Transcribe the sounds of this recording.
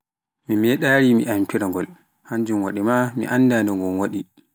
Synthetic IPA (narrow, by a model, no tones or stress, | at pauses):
mimɛɗaːɾimḭʔampʰiɾaŋɡɔl | haɲd͡ʒumwaɗimamḭʔanːdandɔŋɡɔmwaɗi